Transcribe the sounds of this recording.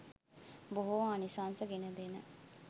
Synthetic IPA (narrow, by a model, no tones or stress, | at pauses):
boɦoanisaːnsəɡenəd̪eːnə